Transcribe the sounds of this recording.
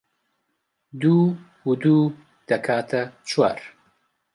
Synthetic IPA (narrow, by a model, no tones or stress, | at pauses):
d̪uː | hud̪uː | d̪̥ɐkʰaːt̪ʰɐt͡ʃʰwa̰ːɾ